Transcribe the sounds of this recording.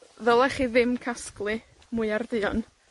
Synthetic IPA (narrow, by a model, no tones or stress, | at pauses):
ðəlˠaχiðɪmkʰasklˠɨ | muɨarðɨɔn